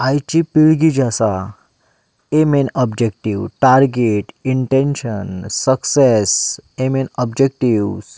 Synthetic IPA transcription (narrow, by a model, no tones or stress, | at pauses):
ajt͡ʃipiɭɡid͡ʒasa | emenɔbd͡ʒekʈiwʈaɾɡeʈiɳʈenʃənsəksesemenɔbd͡ʒek̚ʈiws